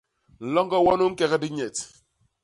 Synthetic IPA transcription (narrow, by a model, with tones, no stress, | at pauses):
n̩˨lɔ˦ŋɡɔ˦wɔ˦nu˦ŋ̩˦kɛ˦kɛ˦di˦ɲɛ˨t